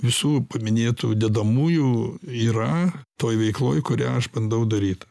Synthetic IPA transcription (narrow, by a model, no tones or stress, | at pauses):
ʋʲɪsuːpɐmʲɪnʲeːt̪ṵːd̪ʲɛd̪ɐmuːjuːiːɾɐt̪oːjʋʲɛɪklˠoːjkʊɾʲæːɐʃbɐnd̪ɐʊd̪ɐɾʲiːt̪